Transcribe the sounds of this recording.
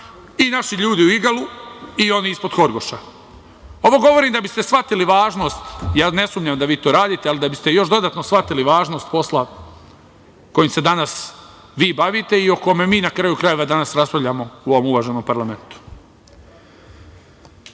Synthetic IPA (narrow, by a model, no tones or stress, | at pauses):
inaʃiʎuːd̪iuiɡaluio̞niispo̞d̪̥xoɾɡo̞ʃa | o̞ʋo̞ɡo̞ʋo̞ɾiːmd̪abist̪esʋat̪iliʋaːʒno̞ːst̪jaːne̞sumʎamd̪aʋiːt̪o̞ːɾaːd̪iːt̪ealid̪abist̪e̞jo̞ʃd̪o̞d̪aːt̪nosʋat̪iliʋaːʒno̞ːst̪̚po̞sla | ko̞jimse̞d̪anas | ʋiːbaʋit̪e̞io̞ko̞memiːnakɾajukɾaje̞ʋad̪anasɾaspaʋʎʲamo̞uo̞ʋomuʋaʒeno̞ːmpaɾlˠame̞nt̪u̥